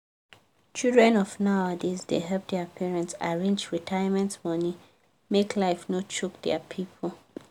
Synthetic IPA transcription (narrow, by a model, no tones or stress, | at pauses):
t͡ʃildɹɛ̃nɔfnaʊadesdḛɦɛlp̚dɛəpʰɛɹɛ̃ntsaɹẽnd͡ʒɹitʰajəmɛ̃ntmɔni | meklaɪfnot͡ʃuk̚dɛ̰pʰipʰl